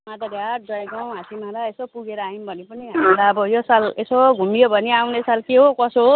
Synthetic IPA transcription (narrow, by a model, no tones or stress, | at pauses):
mad̪ʌɾjat̚d͡zʌɡaw̃ɦasimãɾaesopuɡeɾaimbʱʌnipʌniɦammalaʌbʌjosalesoɡʱumijobʱʌniawnesalkeɦokʌso